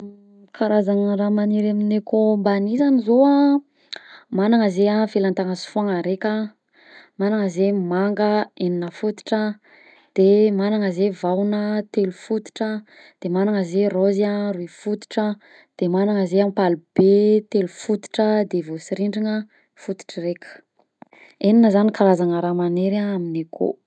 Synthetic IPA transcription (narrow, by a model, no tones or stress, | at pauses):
kʰaɾazaŋəramaniɾaminekombanizanizoa | manaŋəzeafilant̪aŋəsu̥fuaŋaɾekʲa | manaŋəzemaŋɡəeninəfut̪i̥ʈ͡ʂə | d̪̥emanaŋəzevawnət̪elufut̪i̥ʈ͡ʂə | d̪̥emanaŋəzerozaruifut̪i̥ʈ͡ʂə | d̪̥emanaŋəzeampalub̥et̪elufut̪i̥ʈ͡ʂəd̪evosiɾiɳɖ͡ʐiŋə | fut̪i̥ʈ͡ʂərekʲə̥ | eninəzanikaɾazaŋaɾamaneɾaaminekʰo̰